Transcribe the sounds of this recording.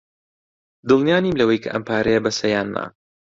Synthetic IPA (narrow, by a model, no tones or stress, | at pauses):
d̪ɨlˠnijaːnimlɐwɐjkʰɐʔɐ̰mpʰaːɾɐjɐbɐsɐjaːnːa̰